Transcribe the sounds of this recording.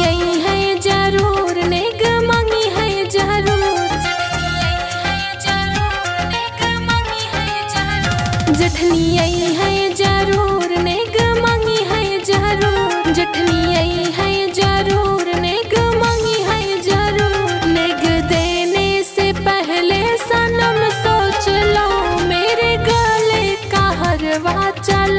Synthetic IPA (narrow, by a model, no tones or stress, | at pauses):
əiɦə̃d͡ʒaɾuːɾneːɡmãːŋɡiɦə̃d͡ʒəɾud͡ʒ | d͡ʒɾu | ɾneɡmaːŋiɦ | d͡ʒ | d͡ʒɐʈʰniəiɦə̃d͡ʒaɾuɾneːɡmãːŋɡiɦəd͡ʒaəɾuːɾɾd͡ʒɪʈʰniəiɦɛ̃d͡ʒəɾuːɾneɡmãːŋɡiɦɛ̃d͡ʒəɾuːɾɾneɡd̪eːnesepəɦɪlesãnɐmsoːt͡ʃlaomeːɾeɡalekaːɦəɾʋat͡ʃəl